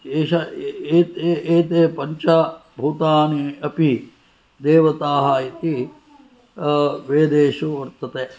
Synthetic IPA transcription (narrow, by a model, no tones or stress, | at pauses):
eːʃɐeːt̪eeːt̪eːpɐɲt͡ʃɐbʱuːt̪aːniɐpi | d̪eːʋɐt̪aːɦɐit̪i | ʋeːd̪eːʃuʋɐɾt̪ɐt̪eː